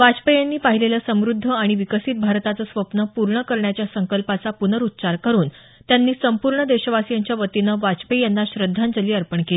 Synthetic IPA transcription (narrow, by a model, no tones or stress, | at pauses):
ʋat͡spəjanːiːpaɦilelasəmɾud̪ʱːəaɽ̃iʋikəsiːt̪̚bʱaɾt̪at͡səsʋəpnəpuɾɳəkəɾɳjat͡ɕjasəŋkəlpat͡sapunəɾut̪ːt͡ɕaɾkəɾuːn | t̪janːiːsəmpuɾɳəd̪eɕəʋasjaɲt͡ɕjaʋət̪inəʋat͡spəjjanːaɕɾəd̪ʱːand͡zəliːəɾpəɳkel